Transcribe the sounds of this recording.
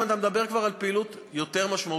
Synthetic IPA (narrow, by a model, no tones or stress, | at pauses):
nat̪amed̪abe̞ʁkvaʁalpeilut̪ | jo̞t̪e̞ʁmaʃmau